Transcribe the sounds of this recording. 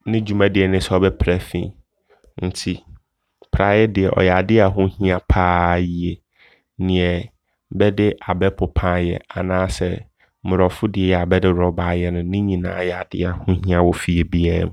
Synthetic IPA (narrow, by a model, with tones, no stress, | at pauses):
nɪ̃˦d͡ʑu˦mã˦dɪ˨ɛ˨nɪ̃˦sɛ˦ɔ˦bɛ˦pʰɾæ˦fḭ̃˦ | n̩˨˦tʰi˦ | pʰɾa˨˦jɛ˦dɪ˨ɛ˨ʔɔ̰˨jɛ˨a˨dɪ˦a˨ɦʊ̃˦hĩ˦ã˨pʰaː˦ji˦e˨ | nɪ̃˨ɛ˨ | bɛ˦dɪ˦ʔa˨bɛ˦pʰʊ˨pʰã˦jɛ̰˨a˨nãː˦sɛ˨ | mʊ̃˨ɾɔ˨fʊ˦dɪ˨ɛ˨jɛ˨a˨bɛ˦dɪ˦ɾɔ˨ba˨˦jɛ˦nʊ̃˨nɪ̃˦ɲĩ˨nã̰ː˨˦jɛ˨a˨dɪ̰˦a˨hʊ̃˦ɦĩ˦ã˦wɔ˦fi˨e˨bi˦ɛ˦